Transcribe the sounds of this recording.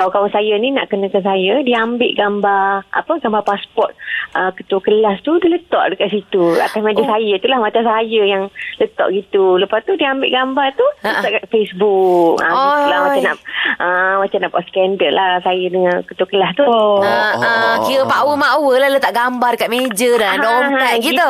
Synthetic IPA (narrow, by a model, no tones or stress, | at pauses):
kawakawasajənina̰ʔkənəkansajədiambɪʔɡambarʔa̰pəɡambapaspɔt̪̚ʔəkət̪uəkəlast̪udilət̪ɔ̰ʔdəkaʔ̪̚sit̪ua̰t̪asmad͡ʒəsajət̪ulahmat͡ʃamsajəjaŋlət̪ɔ̰ʔɡit̪uləpast̪udiambɪ̰ʔɡambart̪uəɔʔkat̪fesbuk̚ã̰ulamat͡ʃana̰ʔəmat͡ʃamnaʔpaskɛndərlahsajədəŋakət̪uəkəlast̪u | kiɾəpawəmaʔwəlalət̪aʔɡambardəkat̪̚med͡ʒədadoɦaakit̪ə